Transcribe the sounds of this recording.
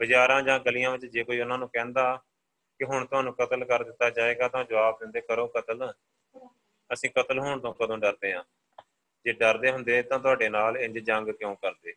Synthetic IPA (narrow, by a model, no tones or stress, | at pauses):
bəd͡ʒaːɾãːd͡ʒãːɡəlijãːʋɪt͡ʃd͡ʒeːkoːiːʊnãːnũːkɛ̃ːnd̪aː | kɪɦʊɳt̪ʊɦãːnũːkət̪əlkəɾd̪ɪt̪ːaːt͡ʃaːeːɡaːt̪ãːd͡ʒəʋaːb̚d̪ɪnd̪eːkəɾõːkət̪əl | əsĩːkət̪əlɦʊɳt̪õːkəd̪õːɖəɾd̪eːɦãː | d͡ʒeːɖəɾd̪eːɦʊnd̪eːt̪ãːt̪̬ʊaːɖeːnaːlɪɲd͡ʒd͡ʒə̃ŋɡkjõːkəɾd̪eː